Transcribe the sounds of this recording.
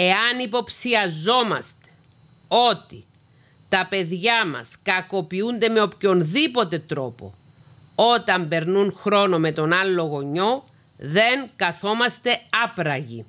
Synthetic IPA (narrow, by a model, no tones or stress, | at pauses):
e̞ɐnipo̞psiɐzo̞mɐ̰st̪e̞̥ | o̞t̪i | t̪ɐpe̞ðʝɐmɐ̰skɐko̞piund̪e̞me̞o̞pço̞nðipo̞t̪e̞t̪ɾo̞po̞̰ | o̞t̪ɐmbe̞ɾnunxɾo̞no̞me̞t̪o̞nɐlːo̞ɣo̞ɲːo̞ | ðe̞ŋkɐθo̞mɐst̪e̞ɐpɾɐʝḭ